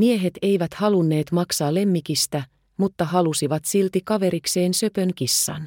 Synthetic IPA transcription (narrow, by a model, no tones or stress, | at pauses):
mie̞ɦe̞t̪e̞jʋæt̪hɑlunːe̞ːt̪mɑksɑːle̞mːikist̪æ | mut̪ːɑɦɑlusiʋɑt̪silt̪ikɑʋe̞ɾikse̞ːnsø̞pø̞ŋkisːɑ̰n